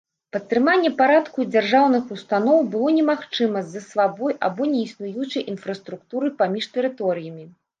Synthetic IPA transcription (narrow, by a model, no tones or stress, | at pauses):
pɐt̪ːɾɨmanʲːɛpaɾat̪kud͡zʲarʐawnɨxust̪anɔwbɨlˠɔnʲɛmaxt͡ʂɨmɐzɐsvabɔja̰bɔnʲɛisnujut͡ʂɐjʔinfɾɐst̪ɾukt̪uɾɨpamʲiʂt̪ɛɾɨt̪ɔɾɨjɐmʲi